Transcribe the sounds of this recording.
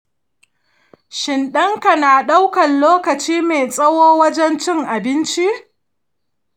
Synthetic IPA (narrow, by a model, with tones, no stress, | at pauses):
ʃɪ˨nɗɐ˦ŋka˨naː˨ɗa˦wkɐ˨nloː˦kɐ˨t͡ʃiː˦me˨sʼɐ˦woː˦wɐ˦d͡ʒɛ˦nt͡ʃɪ˦ŋʔa˨bɪ˦nt͡ʃi˦ʔ